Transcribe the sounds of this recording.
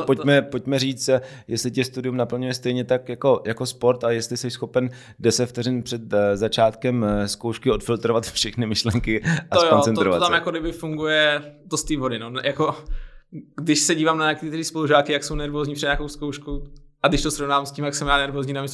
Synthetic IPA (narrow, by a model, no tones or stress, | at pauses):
pocmɛpo̞c̚mɛɾiːt͡st̪ | jɛslɪcɛst̪udɪumnapl̩ɲujɛst̪ɛjɲɛt̪akjako̞jakospo̞ɾt̪ajɛst̪lɪsɛʃsxo̞pɛn | dɛsɛft̪ɛɾɪnpr̥ɛt̪zat͡ʃaːt̪kɛmsko̞wʃkɪo̞t̪fɪlt̪ɾovat̪fʃɛxnɪmɪʃlɛŋkɪʔajkont͡sɛnoɾovat̪t̪amjakodɪbɪfuŋɡujɛt̪ost̪iːvodɪnonjako | ɡdɪʃsɛɟiːvaːmnaɲak̪it̪ɛɾiːspoluʒaːkɪjakso̞wnɛɾvozɲiːprɛdɲaːkowskowʃkuʔaɡdɪʃt̪osɾovnaːamscʲiːmjaksɛmjaːnɛɾvoːzɲiːnamis